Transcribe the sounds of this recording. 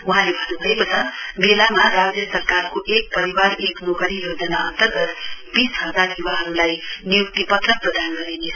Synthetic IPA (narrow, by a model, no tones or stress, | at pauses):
uɦãlebʱʌnubʱʌepʌsʰʌbelamarad͡zjʌsʌrkarkoʔek̚pʌɾiwaɾeknokʌɾijod͡zʌnaʌnt̪ʌrɡʌt̪bisɦʌd͡zarjubaɦʌɾulajnijuk̚t̪ipʌt̪rʌk̚prʌd̪anɡʌɾinet͡sʰʌ